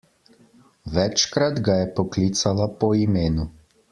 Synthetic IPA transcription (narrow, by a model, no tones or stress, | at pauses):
ʋɛt͡ʃkɾad̪ɡajɛpɔkliːt̪salapɔimeːnu